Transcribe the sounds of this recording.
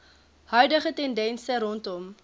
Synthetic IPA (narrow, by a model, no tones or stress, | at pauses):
hœɥdəχətɛndɛnsəɾɔntɔm